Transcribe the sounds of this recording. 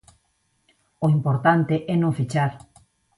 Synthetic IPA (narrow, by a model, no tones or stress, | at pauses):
oimpoɾt̪ant̪eʔɛnõŋfit͡ʃaɾ